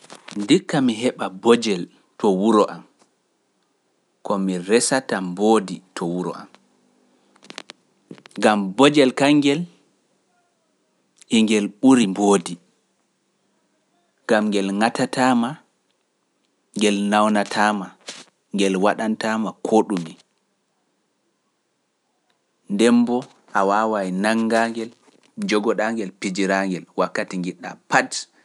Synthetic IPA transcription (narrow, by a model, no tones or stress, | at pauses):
ndikːamiɦɛɓabɔd͡ʒɛl | tʰɔwuɾɔʔam | kɔmiɾɛsatamboːditʰɔwuɾɔ̰ʔa̰m | ŋɡambɔd͡ʒɛlkaŋɡɛl | iŋɡɛlɓuɾimboːdi | ŋɡamŋɡɛlŋatatʰaːma | ŋɡɛlnawnatʰaːma | ŋɡɛlwaɗantamakʰoːɗumi | ndɛmbɔ | ʔawawajnaŋɡaŋɡɛl | d͡ʒɔɡɔɗaŋɡɛlpid͡ʒiɾaŋɡɛlwakːatiŋɡiɗːa̰pat